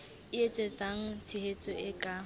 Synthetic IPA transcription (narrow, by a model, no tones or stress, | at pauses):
ɪet͡sʼet͡sʼaŋ̩t͡sʰɪhet͡sʼɔɪkʼa